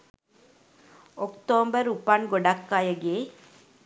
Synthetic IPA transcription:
ɔkt̪oːmbəɾupaɳɡɔɖakːajəɡeː

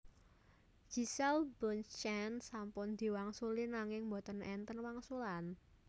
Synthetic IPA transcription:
d͡ʒ̥i̤sɛlbɔnt͡ʃɛnsampʊnd̪̥i̤waŋsulinaŋɪŋmbɔ̤t̪ənɛnt̪ənwaŋsulan

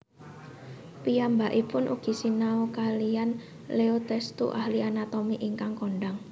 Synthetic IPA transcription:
pijambaʔipʊnʔṵɡ̥i̤sinaukalian | leot̪ɛst̪ṵʔahlianat̪ɔmiʔiŋkaŋkɔɳɖaŋ

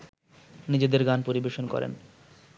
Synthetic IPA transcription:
nid͡ʑed̪eɾɡanpoɾibeʃonkɔ̰ɾḛn

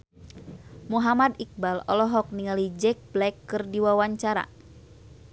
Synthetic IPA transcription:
muɦamad̪ik̚balɔ̰lɔɦɔk̚niŋalid͡ʒɛk̚blɛkːɨrdiwawaɲt͡ʃaɾa̰

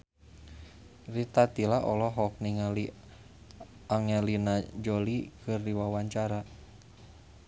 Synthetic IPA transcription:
rit̪at̪ilaʔɔlɔɦɔk̚niŋali | aŋɛlinad͡ʒɔlikɨrdiwawaɲt͡ʃaɾa

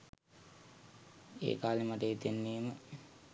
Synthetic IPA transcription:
ḛːkaːlimaʈəjit̪enːeːmə

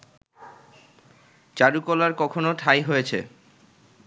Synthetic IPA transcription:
t͡ɕaɾukɔlaɾkɔkʰonoʈʰajɦojet͡ɕʰḛ

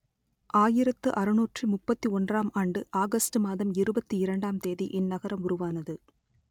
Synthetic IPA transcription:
ʔaːjɪɾɐt̪ːɯʔɐɾɯnuːʈrimʊpːɐt̪ːiɔndraːmaːɳɖɯʔaːɣɐsʈɯmaːðɐmɪɾɯbɐt̪ːiɪɾɐɳɖaːmt̪eːðiʔɪnːɐɣɐɾɐmʊɾʊʋaːnɐðɯ

